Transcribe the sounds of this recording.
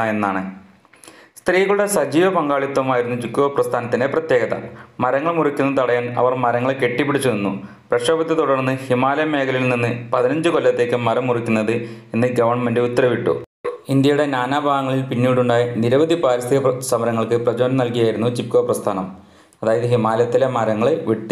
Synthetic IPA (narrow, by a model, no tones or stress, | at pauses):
enːaːɳɨ | st̪riːɣɐɭuɽe̞sɐd͡ʑiːʋɐpɐŋɡaːɭit̪ːwɐmaːjiɾunːut͡ɕip̚kːoːprɐst̪ʰaːnɐt̪ːineprɐt̪je̞ːɡɐðɐ̰mɐɾɐŋːɐɭmurikʲːunːɐt̪ɐɽɐjaːnɐ̰ʋɐrmɐɾɐŋːɐɭke̞ʈːipːeɽit͡ɕːunenːu | prɐʂɐːbɐd̪jɐt̪oɽɐrnːɨhimaːlɐjɐme̞ːkʰɐlilninːɨpɐðinɐɲd͡ʑɨkolːɐt̪ːe̞ːkːɨmɐɾɐmːurikʲːunːɐðɨenːɨɡɐʋɐrɳmendɨut̪ːɐɾɐʋiʈːṵ | ind̪jɐjuɽe̞naːnaːbʱaːʋɐŋːɐɭilpinːiːɽuɳɖaːjiniɾɐʋɐd̪ipaːɾɐst̪ʰiɣɐsɐmɐɾɐŋːɐɭkɨprɐd͡ʑoːnɐmnɐlkijaːjiɾunːut͡ɕip̚koːprɐst̪ʰaːnɐm | ɐðaːjɐðɨɦimaːlɐt̪ːilemɐɾɐŋːɐɭʋiʈːɨ